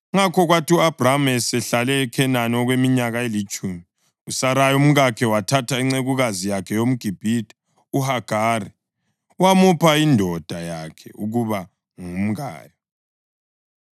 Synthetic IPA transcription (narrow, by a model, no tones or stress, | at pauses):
ŋakʰɔɣwatiuab̥ramɛsɛɬalɛːkʰɛnanɔɣwemiɲaɣaelit͡ʃʼumi | usaɾajɔum̩ɣakʰɛwatʰatʰaiŋ͡ǀeɣuɣazijakʰɛjom̩ɡ̥ʱib̥ʱid̥ʱɛ̥ | uhaɡ̥ʱaːri | wamupʰaindʱɔd̥ʱajakʰɛuɣuβa | ŋum̩ɣa̰ːjɔ